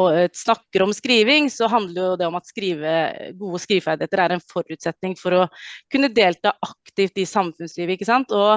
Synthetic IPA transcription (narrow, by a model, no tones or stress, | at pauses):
ɔsnɑkːəɾɔmskɾiːʋɪŋsɔɦɑnd̪ləɾjʊʊd̪ɛɔmɑt̪skɾiːʋəɡuːəskɾiːʋfæd̪ɪeːt̪əɾæɾɛnfɔɾʉːt̪sɛt̪nɪŋfɔɾɔkʰʉnːəd̪eːlt̪ɑːʔɑkt̪ɪft̪ɪsɑmfʉnsliːʋəɪkːəsɑnt̪ɔ